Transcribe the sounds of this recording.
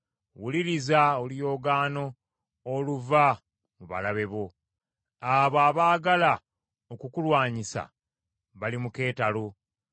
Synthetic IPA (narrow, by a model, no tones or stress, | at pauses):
wuliɾizaolijo̞ːɡaːno̞ː | luva | muβa̰laβe̞βo̞ | aβaβaːɡala | okukulwaːɲisa̰ | βalimuke̞ːtalo